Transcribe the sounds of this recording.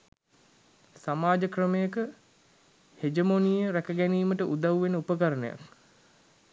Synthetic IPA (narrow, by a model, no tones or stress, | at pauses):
samaːd͡ʒəkrəmejəkə | hed͡ʒəmonijəɾækəɡæniːməʈəʔud̪awʋenəupəkaɾənəja̰k